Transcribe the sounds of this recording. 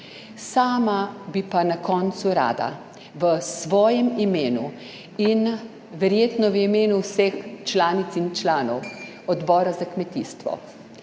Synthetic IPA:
saːmabipanakɔːnt̪suɾa̰ːd̪a̰ | ʋəsʋɔːjɛmimeːnu | in | ʋɛɾjeːt̪nɔʋimeːnuwsext͡ʃlaːnit̪sint͡ʃlaːnɔw | ɔd̪bɔːɾazakmɛt̪iːst̪ʋɔ̰

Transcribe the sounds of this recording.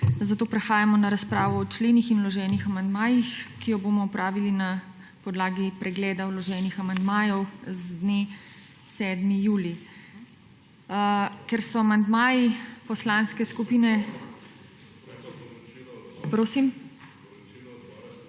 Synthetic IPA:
zat̪oːpɾɛxaːjamɔnaɾaspɾaːʋɔːt͡ʃleːnixinwlɔʒɛːnixamand̪maːjixkijɔboːmɔːpɾaːʋilina | pɔd̪laːɡipɾɛɡlɛːd̪awlɔʒɛːnixamand̪maːjɔwzd̪ne | sɛd̪mijuːli | kɛɾsɔamand̪maːjipɔslanskɛskupiːnɛ | pɾoːsim

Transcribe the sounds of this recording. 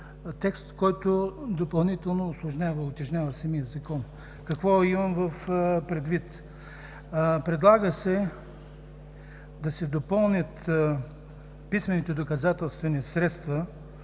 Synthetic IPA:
t̪ɛkst̪kɔjt̪od̪opɐlˠnit̪ɛlˠnoːslˠʊʒnʲavəʊt̪ʲɐʒnʲavɐsɛmijəzɐkɔn | kɐkvɔimɐmvəfpɾɛd̪vit̪ | pɾɛd̪lˠaɡəsɛ | d̪ɐsɛd̪opɤlˠnʲət̪ | pismɛnit̪ɛd̪okɐzat̪ɛlˠst̪vɛnisɾɛt̪st̪vɐ

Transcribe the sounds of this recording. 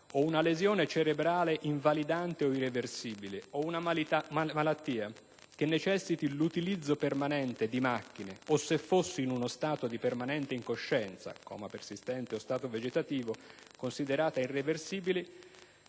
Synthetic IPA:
ounalezjɔːnet͡ʃeɾebɾaːleʔiɱvalid̪ant̪eoireversiːbileounaammalat̪ːiːa | k̟enːet͡ʃɛsːit̪ilut̪ilid̪zːopermanɛnt̪ed̪imakːineosefːosːiːnunost̪aːt̪od̪ipermanɛnt̪eiŋkoʃːɛnt̪sa̰kʰɔ̰ːmapersist̪ɛnt̪eost̪aːt̪oved͡ʒet̪at̪iːvokonsid̪eɾaːt̪airːeversiːbile

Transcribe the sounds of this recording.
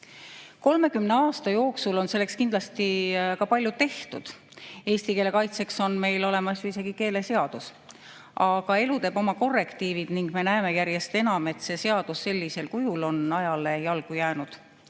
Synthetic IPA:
ko̞lme̞kymneɑːst̪ɑjo̞ːksulo̞nse̞lːekskind̪lɑst̪ikɑpɑlʲːjut̪e̞ht̪ud̪̥ | e̞ːst̪ikeːle̞kɑjt̪se̞kso̞nme̞jlo̞le̞mɑsjuise̞ɡ̥ike̞ːle̞seɑd̪̥us | ʔɑɡ̥ɑe̞lut̪e̞ːb̥o̞mɑko̞rːe̞kt̪iːvid̪̥niŋɡ̥me̞næeme̞jæɾje̞st̪e̞nɑme̞t̪se̞se̞ɑd̪̥usːe̞lʲːise̞lkujulo̞nɑjɑle̞jɑlɡ̥ujæːnud̪̥

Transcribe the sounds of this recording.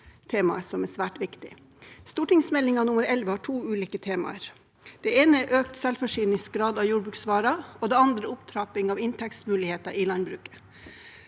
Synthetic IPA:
t̪ʰeːmɑ̰əsɔmɛsʋæːʈʋɪkt̪ɪ̰ | st̪uːʈɪŋsmɛlːɪŋɑnʊməɾɛlʋəhɑːʈʰuːʉːliːkət̪ʰeːmɑ̰əɾ | d̪̥ɛeːnəʔøːk̚t̪sɛlfɔʂyːnɪs̚ɡɾɑːd̪ɑʋjuːɖbɾʉːksʋɑːɾɑoːd̪ɛɑnd̪ɾəʊpt̪ʰɾɑpɪŋɑːʋɪnt̪ʰɛkst̪mʉːlɪheːt̪ɑʔɪlɑnbɾʉːkə̥

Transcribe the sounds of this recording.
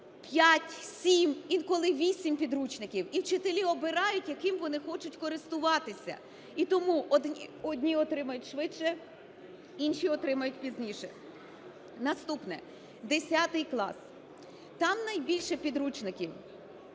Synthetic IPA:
pʲjatʲsʲimikɔlˠɪʋʲisʲimpʲid̪ɾut͡ʃnɪkʲiwiwt͡ʃɪt̪elʲiɔbɪɾɑjʊtʲjɐkɪmʋɔnɪxɔt͡ʃʊtʲkɔɾɪst̪ʊʋɑt̪ɪsʲɐ̰ | it̪ɔmuʔɔd̪ʲɔdʲnʲiɔt̪ɾɪmɐjʊtʲʃʋɪʃɛ | inʃʲiɔt̪ɾɪmɐjʊtʲpʲizʲnʲiʃɛ | nɐst̪upnɛ | d̪esʲat̪ɪjklˠɑ̰s | t̪ɑmnɐjbʲilʲʃɛpʲid̪ɾut͡ʃnɪkʲiw

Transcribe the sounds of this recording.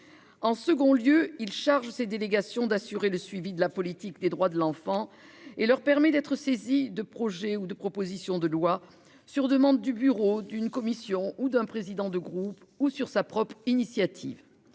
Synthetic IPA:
ɑ̃səɡɔ̃ljøilʃaʁʒsed̪eleɡasjɔ̃d̪asyʁeləsɥivid̪əlapɔlit̪ikd̪ed̪ʁwad̪əlɑ̃fɑ̃ | elœʁpɛʁmɛd̪ɛt̪χəsezid̪əpχɔʒɛud̪əpχɔpozisjɔ̃d̪əlwa | syʁd̪əmɑ̃d̪ːybyʁod̪ynkɔmisjɔ̃ud̪ɛ̃pχezid̪ɑ̃d̪əɡʁup | usyʁsapχɔpχinisjat̪ʰḭv

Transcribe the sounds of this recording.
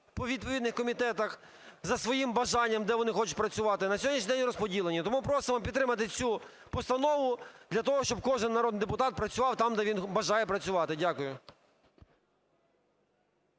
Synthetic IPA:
pɔʋʲid̪̚pɔʋʲid̪nɪxkɔmʲit̪ɛt̪ɐx | zɐsʋɔjimbɐʒɑnʲːɐmd̪ɛʋɔnɪxɔt͡ʃʊt̚ʲpɾɐt͡sʲʊʋɑt̪ɪnɐsʲɔɦɔd̪ʲnʲiʃʲɲʲnʲid̪ɛnʲɾɔspɔdʲilˠenʲːɐt̪ɔmupɾɔsɪmɐmpʲid̪t̪ːɾɪmɐt̪ɪt͡sʲu | pɔst̪ɐnɔʋʊd̪̥lʲɐt̪ɔɦɔʃt͡ʃɔb̚kɔʒɪnːɐɾɔd̪nɪjd̪epʊt̪ɑt̪̚pɾɐt͡sʲʊʋɑwt̪ɑmd̪ɛʋʲinbɐʒɑjɛpɾɐt͡sʲʊʋɑt̪ɪdʲakʊjʊ

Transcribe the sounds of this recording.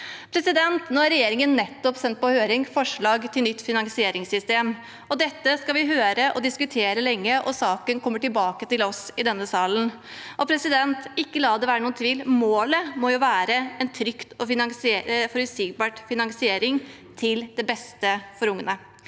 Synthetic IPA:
pʰɾɛsɪd̪ɛnt̪noːæɾɛjeːɾɪŋənːɛt̪ːɔpsɛnt̪̚pɔhøːɾɪŋfɔʂɭɑːɡt̪ʰɪlnʏt̪ːfɪnɑŋsɪeːɾɪŋsʏst̪eːm | ɔd̪ɛt̪ːəskɑʋɪɦøːɾəʔɔd̪ɪskʉt̪ʰeːɾəlɛŋːəʔɔsɑːkənkʰɔmːəʈɪlbɑːkət̪ɪlɔsɪd̪ɛnːəsɑːlən | ʔɔpʰɾɛsɪd̪ɛnt̪ɪkːəlɑːd̪ɛʋæːɾənuːənt̪ʰʋiːlmoːləmɔjʊʋæːɾəɛnt̪ʰɾʏkt̪ɔɪnɑŋsfɔɾʉsiɡ̚bɑːʈfɪnɑŋsɪeːɾɪŋ | t̪ʰɪld̪ɛbɛst̪əfɔɾʊŋːənə

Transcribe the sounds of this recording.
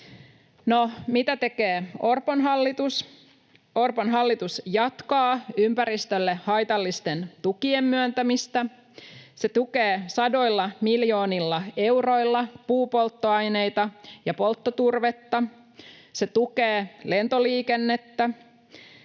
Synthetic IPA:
nomit̪æt̪ekeːo̞rponɦɑlːit̪us | o̞rponɦɑlːit̪usjɑt̪kɑːympæɾist̪ølːehɑjt̪ɑlːist̪e̞nt̪ukiemːyønt̪æmist̪æ | se̞t̪ukeːsɑdo̞jlːɑmiljo̞ːnilːɑe̞wro̞ilːɑpuːpo̞lt̪ːoɑjne̞jt̪ɑjɑpo̞lt̪ːot̪urʋet̪ːɑ | se̞t̪ukeːle̞nt̪o̞liːkenːe̞t̪ːæ

